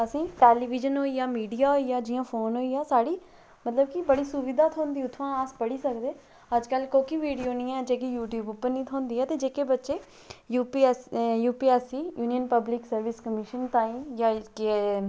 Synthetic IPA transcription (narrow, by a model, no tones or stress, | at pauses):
əsĩːʈɛːliːʋid͡ʒənɦoːiːaːmiːɖiːaːɦoːiːaːd͡ʒɪjãːpʰoːnɦoːiːaːsaːɽiː | mət̪ləb̚kɪbəɽiːsʊʋɪd̪aːt̪ʰõːnd̪iːʊt̪ʰːãːaːspəɽiːsəkd̪eː | əd͡ʒkəlkoːkiʋiːɖijoːnĩːɛːd͡ʒeːkijuːʈjuːbʊpːəɾnĩːt̪ʰõːnd̪iːɛːt̪eːd͡ʒeːkeːbətːʃeː | juːpijuːpiːɛːsiːjuːnijənpəblɪksəɾʋɪskəmɪʃənt̪aːĩːjãːk